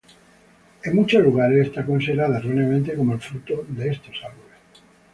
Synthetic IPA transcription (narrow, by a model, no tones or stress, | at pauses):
e̞ŋmut͡ʃozluɣaɾesest̪akonselaðaroneamẽnt̪e̞ko̞moelfɾut̪oðeest̪o̞salβoles